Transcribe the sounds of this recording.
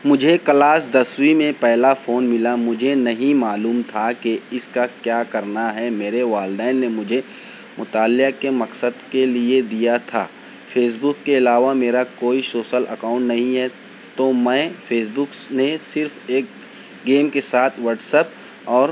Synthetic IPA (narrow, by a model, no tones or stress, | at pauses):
mʊd͡ʒʱekɐlaːs̬d̪ɐswimẽpɛɦlafoːnmɪlamʊd͡ʒʱenɐɦĩmaːluːmt̪ʰakeɪskakjaːkɐɾnaɦɛmeːɾeʋaːlɖɛːɪnːemʊd͡ʒʱe | mʊt̪aːlɪakemɐksəd̪kelied̪ijat̪ʰa̰ː | fʰeːs̬bʊkːeɪlaːʋameːɾakoːisoːʃəlʔɐ̰kaːʊ̃ɳʈnɐɦĩɦɛ | t̪omɛ̃ːfeːs̬bʊknesɪɾfeːk | ɡeːmkesaːt̪ʰʋəːʈsəp̚ | ɔːɾ